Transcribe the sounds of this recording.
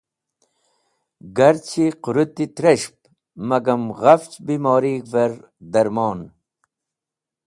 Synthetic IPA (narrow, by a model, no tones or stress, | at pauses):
ɡɐɾt͡ɕʰiqʊɾut̪ːit̪ɾɐɕp̚ | mɐɡɐmɣɐft͡ɕbiːmɑːɾiːɡvɐɾ | d̪ɐɾmɑːn